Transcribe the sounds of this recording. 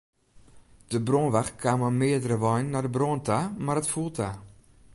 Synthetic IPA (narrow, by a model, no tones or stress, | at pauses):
d̥əbronʋaxkʰaːməmɪədərəʋɔjnːadəbrontʰamarətfulˠtʰa